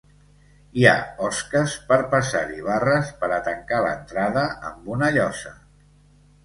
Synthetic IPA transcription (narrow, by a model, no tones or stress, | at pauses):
ia̰ɔskəspəɾpəsaɾiβarəspəɾət̪əŋkalə̰nt̪ɾaðəə̰mbunəʎɔsə